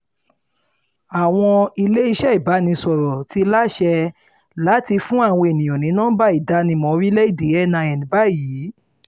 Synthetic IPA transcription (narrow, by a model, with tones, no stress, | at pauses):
a˨w̃ɔ̃˧i˧le˦i˧ʃɛ˦i˨ba˨˦nĩ˧sɔ˨ɾɔ˨ti˧˦la˦ʃɛ˧ | la˦ti˧fũ˦a˦˧˨w̃ɔ̃˧e˨nĩ˨j̃ɔ̃˨nĩ˨˦nãː˦ba˦˨i˨da˨˦nĩ˧mɔ̃˨˦ɾi˦lɛ˦i˦˨de˨˦ɛ˦˨nã˧ɛ˨nĩ˨ba˨˦˨jiː˨˦